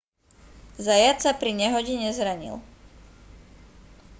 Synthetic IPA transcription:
zajat̪sapɾiɲɛɦɔɟiɲɛzɾaɲḭl

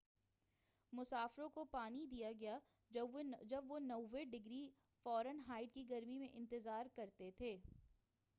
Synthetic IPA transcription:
mʊsaːfɾõkopaːnid̪ijaɡɐja | d͡ʒɐbʋonɐːeɖɪɡɾi | fɔːɾənɦaːɪɖkiɡɐɾmimẽʔɪ̃nt̪ɪzaːɾkɐɾt̪et̪ʰeː

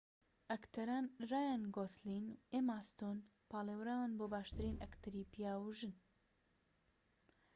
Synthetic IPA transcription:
ɐkt̪ʰɐɾaːnraːjanɡoslinemaːst̪on | paːleːwɾaːwanboːbaːʃt̪ɨɾiːnɐkt̪ɨɾiːpijaːwuʒɨn

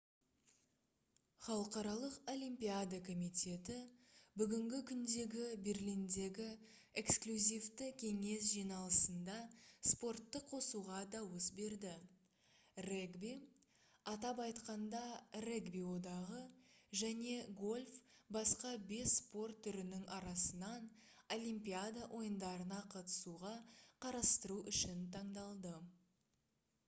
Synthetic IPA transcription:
χɑlˠəqɑɾɑlˠəqo̞lʲimpiad̪akʰo̞mit̪ʲe̞t̪ɪbʏɡʲɪŋɡʲɪkʲʰʏnd̪e̞ɡʲɪbe̞rlʲijnd̪e̞ɡʲɪ | e̞ksklʲuzʲijft̪ɪkʲʰe̞ŋe̞s̬ʒijnɑlˠəsənd̪ɑspo̞rt̪ːəqʰo̞suʁɑd̪ɑwəsbe̞ɾd̪ɪ | reɡbi | ɑt̪ɑpɑjt̪qɑnd̪ɑreɡbiwo̞d̪ɑʁəʒæne̞ɡo̞lʲfbɑsqɑbe̞sːpo̞rt̪ʰːʏɾɪnɪŋɑɾɑsənɑn | o̞lʲˠimpʲiad̪aʔo̞jənd̪ɑɾənɑqʰɑt̪ə̥suʁɑqʰɑɾɑst̪əɾuʔʏʃɪnt̪ʰɑɴd̪ɑlˠd̪ə

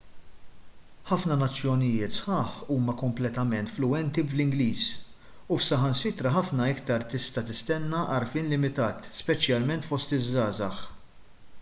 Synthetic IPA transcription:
ħɐfnɐnɐt͡sːjɔnɪjɪːt̪sħɐːħuːmɐkɔmplɛt̪ɐmɛnt̪flʊwɛnt̪iblɪŋɡliːs | ufsɐɦɐnsɪt̪ɾɐħɐfnɐɪkt̪ɐɾt̪ɪst̪ɐt̪ɪst̪ɛnːɐʔɐɾfiːnlɪmɪt̪ɐːt̪spɛt͡ʃjɐlmɛnt̪fɔst̪ɪzːɐːzɐħ

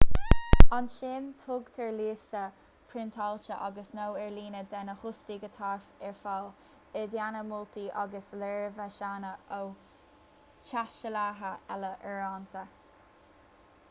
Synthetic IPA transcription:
anʃeːnt̪ʰʊɡt̪ʰɛɹliːʃtə | pʰɾɪnt̪ʰalt͡ʃəʔa̰ɡəsnowɛɹliːnəd̪ɛnəhʊstiɡət̪ʰaɹfɛɹfal | ɛd̪janəmʊlt̪iʔɑɡəslɛɹvɛʃaːnəʔow | t͡ʃaʃəlaːɦəɛləʔɛɹant̪ʰə

